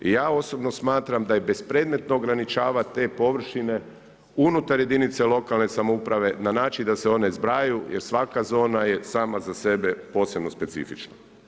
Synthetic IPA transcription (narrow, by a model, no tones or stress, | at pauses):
ijaːo̞so̞bno̞smaːt̪ɾamd̪ajebe̞spɾe̞ːd̪me̞t̪noːɡɾanit͡ʃaːʋat̪e̞po̞ʋr̩ʃine̞ | unut̪aɾjed̪init̪selo̞kalˠne̞samoupɾaʋe̞nanaːt͡ʃind̪aseo̞ne̞zbɾajujʔḛɾsʋakazo̞ːnaje̞saːmazase̞be̞po̞ːse̞bno̞spe̞t̪sḭfit͡ʃna